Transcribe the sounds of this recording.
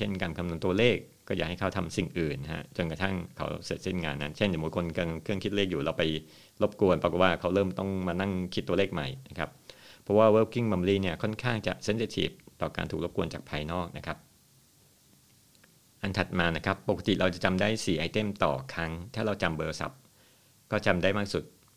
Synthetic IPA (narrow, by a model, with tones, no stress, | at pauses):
t͡ɕʰe˥˩nkaː˧nkʰa˧mnu˧ənt̪u˧ɐleː˥˩kːɔː˥˩jaː˨˩ha˥˩jkʰwt̪ʰa˧msi˨˩ŋʔɯː˨˩nːɦa̰˦˥t͡ɕo˧nka˧t̪ʰa˥˩ŋkʰa̰˦˥wse˨˩t̪̚se˥˩nŋa̰ː˧nːa˦˥nt͡ɕʰe˥˩nja˨˩muː˨˦˥kʰo˧nkʰɤ˧ŋkʰɯ˥˩əŋkʰi˦˥t̪̚leː˥˩k̚juː˨˩la˧˥wpa˧j | lo˦˥p̚ku˧ənpɾa˧ko˨˩waː˥˩kʰa˦˥wɾɤː˥˩mt̪ɔ˥˩ŋmaː˧na˥˩ŋkʰi˦˥t̪ːu˧ɐleː˥˩k̚ma˨˩jna˦˥kʰa̰˦˥ppʰɾɔ˦˥waː˥˩weː˦˥˩wki˥˩ŋma˧m˧liː˥˩ni˥˩ɐkʰɔ˥˩nkʰaː˥˩ŋt͡ɕa̰˨˩ʔse˦˥nseː˧˥t̪ʰḭː˨˩p̚t̪ɔː˨˩ka̰ː˧nt̪ʰuː˨˩k̚lp̚ku˧ənt͡ɕaː˨˩k̚pʰaː˧jnɔː˥˩k̚na˦˥kʰa˦˥p̚ | ʔa˧nt̪ʰa˨˩t̪̚maː˧na˦˥kʰa˦˥pːo˨˩kʰa˧˦t̪i˨˩ɾa˧wt͡ɕa˨˩t͡ɕa˧mdaː˥˩jsiː˨˩ʔa˧jt̪e˥˩mt̪ɔ̰ː˨˩kʰɾa˦˥ŋt̪ʰaː˥˩ɾa˧wt͡ɕa˧mbɤː˧sa̰˨˩p̚ | kɔː˥˩t͡ɕa˧mdaː˥˩jmaː˥˩k̚su˨˩t̪̚